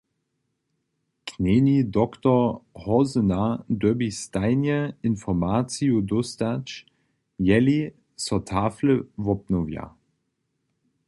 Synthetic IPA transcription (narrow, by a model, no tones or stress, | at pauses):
kʰneːnidɔktɔhɔzənadøbistaɪnjəɪnfɔmaːt͡siudɔstat͡ʃ | jɛli | sɔtʰaːfləvɔpnovja̰